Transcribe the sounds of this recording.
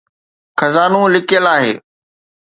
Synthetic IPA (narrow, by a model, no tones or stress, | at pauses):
xɐzaːnũlɪkijəlaːɦeː